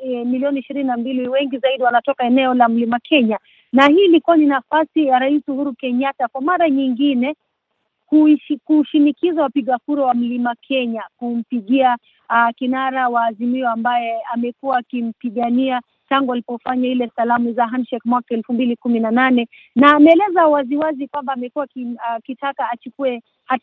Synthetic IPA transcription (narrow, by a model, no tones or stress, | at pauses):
ɛmiliɔniʃiɾininambiliwɛŋɡizaiɗiwanatɔkaɛnɛɔlam̩limakʰɛɲa | nahiːlikuaninafasijaɾaisuhuɾukɛɲatakwamaɾaɲiŋɡinɛ | kukuʃinikizawapiɠakuɾawam̩limakʰɛɲakum̩piɠia | kinaɾawaːzimiɔambajɛamɛkuwaːkim̩piɠania | taŋɡualipɔfaɲahilɛsalamuzaɦanʃɛkmwakaɛlfumbilikuminananɛ | naːmɛɛlɛzawaziwazikwambaːmɛkuakkitakaːt͡ʃukuɛ | ha